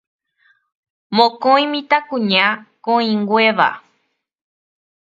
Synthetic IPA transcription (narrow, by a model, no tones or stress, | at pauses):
mõkõĩmĩt̪akũɲãkõĩŋɡʷeʋa̰